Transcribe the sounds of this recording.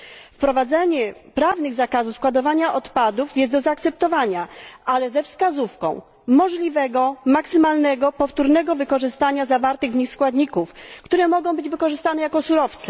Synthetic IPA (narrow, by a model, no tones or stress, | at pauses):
fpɾɔvad̪zɛɲɛpɾavnɘɣzakazufskwad̪ɔvaɲaʔɔt̪pad̪ufjɛst̪d̪ɔzaːkt̪sɛp̚t̪ɔvaɲaʔalɛzɛfskazufkɔ̰̃w̃ | mɔʐlʲivɛɡɔmaksɘmalnɛɡɔpɔft̪uɾnɛɡɔvɘkɔʐɘst̪aɲazavaɾt̪ɘɣvɲixskwad̪ɲikufkt̪uɾɛmɔɡɔ̃w̃bɘd͡ʑvɘkɔʐɘst̪anɛjakɔsuɾɔft̪sɛ̥